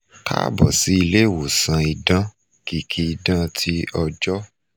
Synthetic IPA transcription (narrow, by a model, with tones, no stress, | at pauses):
ka̰˦bɔ̰˨si˨˦i˧le˦˨wo˨sã˧i˧dã˦ | ki˨kʰi˧i˧dã˦tʰi˦ɔ˧d͡ʒɔ˦